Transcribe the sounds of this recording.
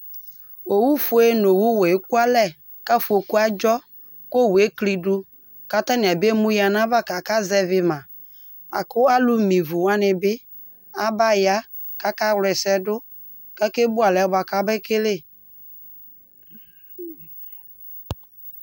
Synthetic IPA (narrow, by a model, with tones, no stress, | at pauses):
o˨wu˦fu˨˦e˦no˨wu˦wɛ˨e˦ku˦a˦lɛ˦˨ | ka˦fu˨o˨ku˦a˦d͡ʒɔ˦ | ko˦˨we˦kli˨dʊ˦ | ka˦ta˦nɪ˨a˨be˦mu˦ja˨na˦va˦ka˨ka˦zɛ˨vɪ˨ma˨ | a̰˨kʊ˦a˦lu˦mi˨vu˨wa˦nɪ˨bɪ˦ | a˦ba˦ja˦ | ka˨˦ka˦wlɛ˨sɛ˦dʊ˦ | ka˦ke˦bʊ˦a˨lɛ˨˦ba˨ka˦bɛ˦ke˦le˦˨